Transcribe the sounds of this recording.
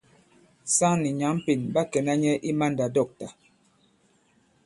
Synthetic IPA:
sa˦ŋni˨ɲa˨˦m˦pi˨nba˦kɛ˨na˦ɲɛ˦ʔi˦ma˦nda˨dɔ˦˨k̚ta˨

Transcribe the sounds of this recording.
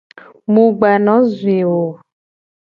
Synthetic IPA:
mũ˨ɡ͡ba˨nɔ̃˨˦zu˨e˨wo˨

